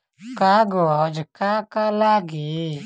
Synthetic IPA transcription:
kaɡɔd͡ʒkaːkalaːɡi

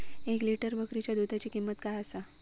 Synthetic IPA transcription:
ekliʈəɾbəkɾit͡ɕjad̪ud̪ʱat͡ɕikimːət̪kajəsa

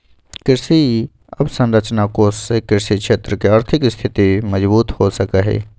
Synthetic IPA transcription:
kɪɾsi | ɐbsə̃nɾət͡ʃnakoːssekɪɾsikʃeːt̪ɾəkeaːɾt̪ʰɪkst̪ʰɪt̪iməd͡ʒbuːt̪hosəkəɦɛ̰ː

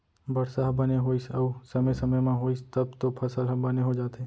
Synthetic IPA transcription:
bəɽsaɦbəneɦoːisəusəməjsəməjmãɦoːist̪əbt̪opʰəsəlɦbəneɦod͡ʒaːt̪eː

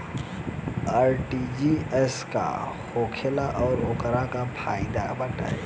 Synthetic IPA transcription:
aːɾʈid͡ʒiɛska̰xoːkʰɪlaʔɔːɾʊkəɾakapʰa̰ːɪd̪a̰bɐʈa̰ɛ

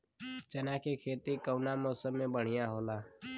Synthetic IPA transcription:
t͡ʃənaːkʰikʰeːt̪ikəːnamoːsəmːẽbəɽ̤ɪjaɦoːlaː

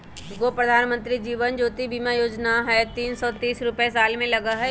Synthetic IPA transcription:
ɡopɾəd̪ʱaːnmə̃nt̪ɾid͡ʒiːʋənd͡ʒoːt̪ibimajoːd͡ʒnaɦɛt̪iːnsɔt̪iːsɾʊpesaːlmẽlɐɡaɦɛ

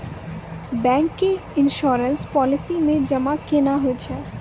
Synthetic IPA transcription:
bɛ̃ːŋkːeɪnʃɔːɾənspɔːlɪsimẽd͡ʒɐmakenaɦot͡ʃʰɛ

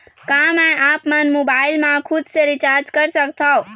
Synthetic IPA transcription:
kãmɛ̃ʔaːpmənmobaːɪlmãkʰʊd̪səɾɪt͡ʃaːɾd͡ʒkəɾsəkt̪ʰao

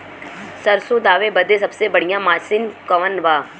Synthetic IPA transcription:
sɐɾsod̪aːʋebɐd̪esɐbsebɐɽ̤ijãmaːsɪnkɐʋənʋaː

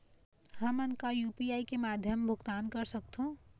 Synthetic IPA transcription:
həmənkajuːpiaːikemaːd̪ʱjəmbʱʊɡt̪aːnkəɾsək̚t̪ʰɦõ

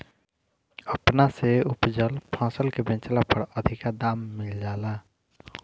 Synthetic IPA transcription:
əpnaseʊpd͡ʒəlpʰãːsəlkebẽːnt͡ʃlapʰəɽəd̪ʱɪkad̪aːmːɪld͡ʒaːlaː

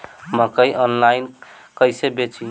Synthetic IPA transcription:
məkəjʔɔnlain | kəjsebet͡ʃi

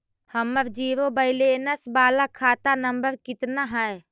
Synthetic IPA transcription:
həməɾd͡ʒiːɾobəɪlenəsbaːlakʰaːt̪anəmbəɾkɪt̪naɦɛe

